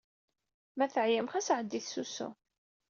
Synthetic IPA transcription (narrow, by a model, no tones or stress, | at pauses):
mæθəʕjəmχæsʕəd̪ːiθsusṵ